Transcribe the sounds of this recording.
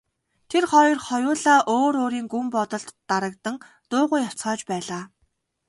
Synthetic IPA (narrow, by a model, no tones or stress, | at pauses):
t̪ʰerχɔjɞ̆rχɔjʊːɮaːʔoːɾoːɾiːŋɡumpɔt̪ɞ̆ɮt̪ːaɾə̆kt̪ə̆ŋ | t̪ʊːʁʊːjːaw̥t͡sɢɔːt͡ɕpæːɮaː